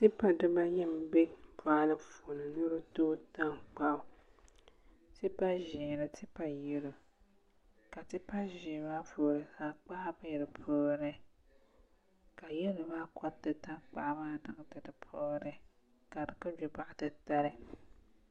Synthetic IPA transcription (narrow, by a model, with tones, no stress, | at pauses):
tɪ˦pa˨dɨ˦ba˦jɛ˦m˦bɛ˦pa˨˦lɨ˦fo˨nɨ˨nu˦ɾɨ˦toː˦ta˦ŋk͡pa˦˨ʊ˨ | tɨ˦pa˦ʒi˨nɨ˨tɨ˦pa˨jɛ˦lu˨ | ka˨tɨ˦pa˦ʒiː˨ma˦foː˨ɾɨ˨saː˨k͡pa˦ʔba˦jɾɨ˨pʰoː˨˦˨nɨ˦ | ka˨jɛ˦lɨ˨ba˦kʰɔ˦tːɨ˨ta˦k͡pa˦ʔmaː˦dɨ˦ŋ˦dɨ˨dɨ˨pʰoː˦nɨ˦ | ka˨dɨ˨kɨ˦d͡ʒʊ˨ba˨ʔtɨ˦ta˦ɾɨ˦